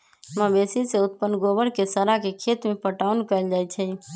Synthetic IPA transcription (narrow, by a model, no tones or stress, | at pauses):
məbesiseʊt̪̚pənɡobəɽkesəɾakekʰet̪mẽpəʈaʊnkəɪld͡ʒajt͡ʃʰɛ